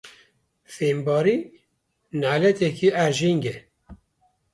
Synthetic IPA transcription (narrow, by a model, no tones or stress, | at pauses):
feːmbɑːɾi | naːlɛt̪ɛkʰiʔæɾʒiŋɡe